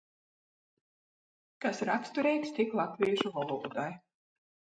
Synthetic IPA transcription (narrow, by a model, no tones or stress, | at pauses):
kasɾakst̪uɾɛjk̪st̪ʲiklˠat̪viːʒuvalˠuːd̪aj